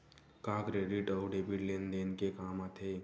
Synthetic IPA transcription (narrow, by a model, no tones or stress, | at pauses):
kãkɾeɖiʈəwɖebiɽlend̪enkekaːmat̪ʰe